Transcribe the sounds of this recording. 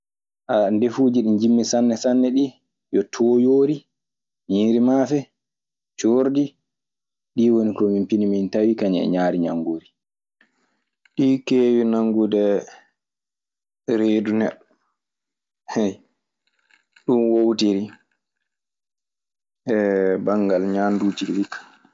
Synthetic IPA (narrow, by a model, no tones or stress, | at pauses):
ʔandefuːd͡ʒiɗind͡ʒimːisanːɛsanːɛɗi | jɔtʰoːjoːɾi | ɲiːɾimafɛ | t͡ʃoːɾdi | ɗiːwonikɔmimpinimintawikaɲɛ̰ɲaːɾiɲaŋɡuɾi | ɗiːkeːwinaŋɡudɛ | ɾeːdunɛ̰ɗːɔ | hɛj | ɗunwowtiɾi | ɛbaŋɡalɲandud͡ʒilikːḁ